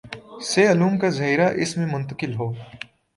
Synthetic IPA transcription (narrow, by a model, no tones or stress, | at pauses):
seɐluːmkazɐɦiːɾaʔɪsmẽmʊ̃nt̪əkɪlɦoː